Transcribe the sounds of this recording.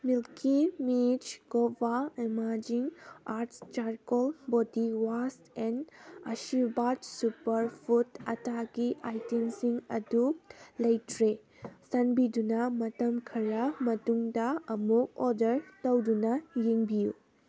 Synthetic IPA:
milkimid͡ʒɡobaimaɾd͡ʒiŋaɾtst͡ʃaɾkolbodiwastenɐsibad͡ʒsupɐɾpʰutɐ̰tʰaɡiʔajtensiŋɐdulɐjtɾe | sɐnbidunɐmɐtɐmkʰɐɾɐmɐtuŋdɐɐmuk̚odɐɾtɐwdunɐjeŋbijṵ

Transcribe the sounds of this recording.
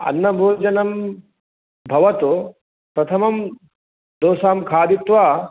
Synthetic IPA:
ɐ̰nːɐbʱoːd͡ʒɐnɐm | bʱɐʋɐt̪u | pɾɐt̪ʰɐmɐm | d̪oːsaːmkʰaːd̪it̪ʋaː

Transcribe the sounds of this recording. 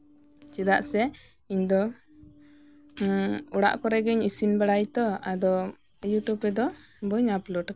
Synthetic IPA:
t͡ʃid̪aʔsɛ | iɲd̪ɔ | ɔɽa̰ʔkɔɾɛɡɛɲisinbaɽajt̪ɔad̪ɔ | juʈjubɛd̪ɔbəɲaplɔɖ

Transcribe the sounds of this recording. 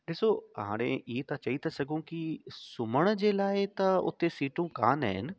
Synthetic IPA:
d̪eːsoɐɦã̰ːɽ̃eet̪ɐt͡ʃɐit̪ɐsɐɡõkisʊməɽ̃d͡ʒelaːet̪ɐʊ̰t̪ʰːesiːʈõka̰ːnɛ̰ɦɪ̰n

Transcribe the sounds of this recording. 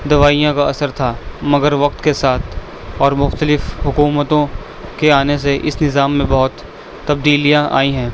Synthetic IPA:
d̪ɐʋaːijãkaɐsəɾt̪ʰamɐɡəɾʋɐk̚t̪kesaːt̪ʰ | ɔːɾmʊxt̪əlɪfɦʊkuːmət̪õ | keaːnes̬eʔɪ̰snɪzaːmːẽbɔɦʊt̪ː | ɐb̚d̪iːlijãʔa̰ːĩɦɛ̃ː

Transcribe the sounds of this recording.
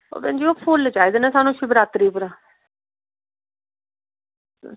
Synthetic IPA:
o̰pɛ̰̃ːnd͡ʒioːpʰʊld͡ʒaːeːd̪eːnẽːsaːnũːʃɪbɾaːt̪ɾiːpəɾãː

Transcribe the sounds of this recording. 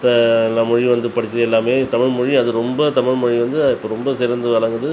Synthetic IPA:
t̪ɐlːɐmʊɻiʋɐnd̪ɯpɐɽɪkːɯɾɐɛlːaːmeːt̪ɐmɪɻmʊɻiɐðɯɾɔmbɐt̪ɐmɪɻmʊɻiʋɐnd̪ɯɪpːɐɾɔmbɐsɪɾɐnd̪ɯʋɐɭɐŋɡɯðɯ

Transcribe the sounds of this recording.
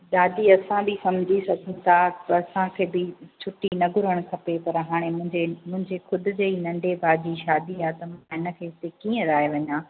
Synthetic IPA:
ɗ̪aːd̪iɐsãbɪsɐmd͡ʑʱisɐɡʱənɪ̆t̪ʰaɐsãkʰeːbɪt͡ɕʰʊʈinɐɡʱʊɾəɽ̃kʰɐpepɐɾɦaːɽ̃ẽmʊ̃ɦɪ̃ɲd͡ʑemʊ̃ɦɪ̃ɲd͡ʑexʊd̪ʱʊ̆d͡ʑeinɐ̃ɳɖebaːd͡ʑiʃaːd̪iaːt̪ɐmãɪnə̆kʰeːɪsekiːə̃ɾaːɦeʋɐɲãː

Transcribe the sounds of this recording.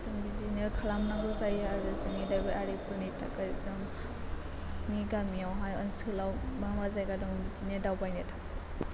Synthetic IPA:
dɔŋbidinekʰalamnaŋɡɯzajaɾɯzɯŋidajbiaɾipʰuɾnitʰa̰kazɯm | niɡamijawɦajɯnsɯlawmamazajɡadɔŋbidinedawbajnetʰḁka

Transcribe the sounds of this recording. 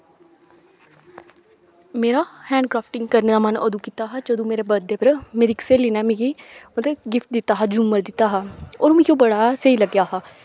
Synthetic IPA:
meːɾaːhɛ̃ːɳɖkɾaːpʰʈɪŋɡkəɾned̪aːməno̰d̪ũːkit̪aːɦɛːd͡ʒəd̪õːmeːɾeːbəd̪eːpəɾmeːɾikseːliːnɛːmẽɡiːmət̪ləɡɪfʈ̚d̪ɪt̪ːaːɦɛːd͡ʒʊmːəɾd̪ɪt̪ːaːɦaːoːɾmẽkjõːbəɽaːsəiːləɡjaːɦaː

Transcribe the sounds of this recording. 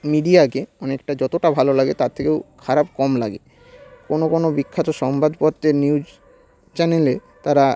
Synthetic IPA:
miɖiakeɔnekʈad͡ʑɔt̪oʈabʱalolaɡet̪aɾt̪ʰekewkʰaɾab̚kɔmla̰ɡḛ | konokonobikʰːat̪oʃɔmbʱad̪pɔt̪ːeniud͡ʑ | t͡ɕɛnele | t̪aɾa

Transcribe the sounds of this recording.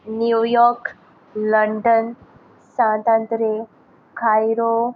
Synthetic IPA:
njujɔɾk | ləɳɖən | sãt̪ãnt̪ɾe | kʰajɾo

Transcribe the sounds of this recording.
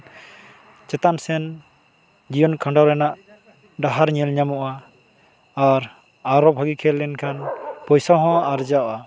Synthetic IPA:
t͡ʃɛt̪ansɛn | d͡ʒijɔnkʰaɳɖawɾɛnaʔ | ɖaɦaɾɲɛlɲamɔʔaː | ɾ | aɾɔbʱaɡikʰɛlːɛnkʰanpɔjsaɦɔ̃aɾd͡ʒawʔa

